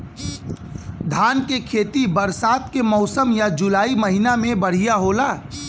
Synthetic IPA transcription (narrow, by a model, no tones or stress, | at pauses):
d̪ʱaːnkekʰeːt̪ibəɾsaːt̪̚kemɔʊsəmjad͡ʒʊlaːiməɦinamẽbəɽ̤ijaɦolaː